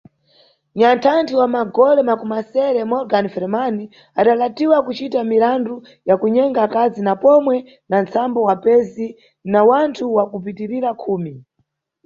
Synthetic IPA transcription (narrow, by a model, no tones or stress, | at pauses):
ɲantʰantʰiwamaɡɔlɛmakumasɛɾɛmɔɾɡanfɛɾɛmani | aɗalatiwakut͡ʃitamiɾandu | jakuɲɛŋɡakazinapɔmwɛ | nant͡sambɔwapɛzi | nawantʰuwakup̬itiɾiɾakʰuːmi